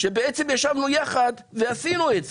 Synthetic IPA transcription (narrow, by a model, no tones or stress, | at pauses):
ʃebeʔet͡semjaʃavnujaχad̪ | veasinuez